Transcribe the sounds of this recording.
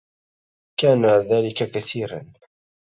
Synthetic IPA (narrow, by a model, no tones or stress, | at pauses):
kaːnaðæːlɪkakaθiːɾa̰n